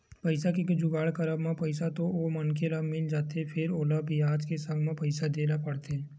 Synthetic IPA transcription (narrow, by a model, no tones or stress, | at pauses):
pɐɪsakekd͡ʒʊɡaːɭkɐɾəbmãpɐɪsat̪oomɐnkelamɪld͡ʒaːt̪efʰɪɾoːlabʱiaːd͡ʒkesə̃ɡmãpɐɪsad̪eːnapɐɽt̪eɦɛ̃ː